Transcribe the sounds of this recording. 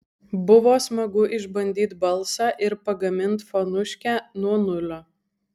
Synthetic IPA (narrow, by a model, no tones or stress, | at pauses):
bʊʋoːsmɐɡʊʔɪʒbɐnʲd̪ʲiːt̪bɐlˠsɑːʔɪɾpɐɡɐmʲɪnt̪fonʊʃʲkʲæːnuɔnʊlʲoː